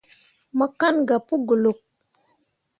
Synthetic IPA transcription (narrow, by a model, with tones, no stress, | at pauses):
mə˦ka˦nɡa˨pu˦ɡu˨lo˨k̚